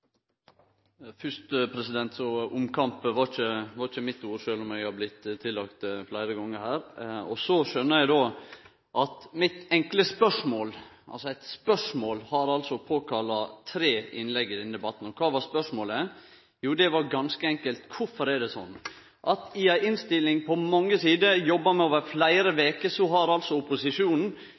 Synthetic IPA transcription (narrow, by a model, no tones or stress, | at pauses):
fʏʂt̪əpʰɾɛsɪd̪ɛnt̪sɔʊmkʰɑmpʋɑɾçəʋɑɾçəmɪt̪ːuːɾʃøːlɔmæɪɡɑblɪt̪t̪ʰːɪlːɑkt̪flæɪɾəɡɔŋːəɾhæːɾɔsɔʃœnːəjæɪd̪oː | ʔɑt̪mɪt̪ɛŋkləspœʂmoːl | ʔɑlsɔæɪt̪spœʂmoːlhɑɾɑlsɔpʰoːkʰɑlːɑt̪ʰɾeːɪ̰nlɛɡːəd̪ɛnəd̪ɛbɑt̪ːn̩ɔkʰɑːʋɑspœʂmoːlə | juːd̪ɛʋɑɾɡɑnskəɛŋkəlt̪kʰʊɾfɔɾɛɖɛsɔ̰nː | ʔɑt̪ɪɑɪʔɪnst̪ɪlːɪŋpʰɔmɑŋːəsiːd̪əjɔbːɑmɛoːʋəɾflæɪɾəʋeːkəsɔɦɑɾɑlsɔʊpʊsɪʂuːnn̩